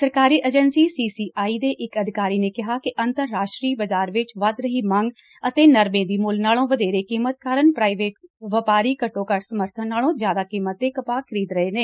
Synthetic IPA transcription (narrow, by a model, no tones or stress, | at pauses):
səɾkaːɾiːʔeːd͡ʒənsiːsiːsiːʔaːiːd̪eːʔɪkəd̪ʱɪkaːɾiːneːkɪɦaːkɪʔənt̪əɾːaːʃʈɾiːbəzaːɾʋɪt͡ʃʋəd̪ɾəɦiːmãŋɡ | ət̪eːnəɾmẽːd̪iːmʊlnaːlõːʋəd̪eːɾeːkiːmət̪̚kaːɾənpɾaːiʋeːʈ̚ʋəpaːɾiːkəʈːõːkəɾsəməɾt̪ʰənːaːlõːzjaːd̪aːkiːmət̪ːeːkəpaːkʰəɾiːd̪ɾəɦeːneː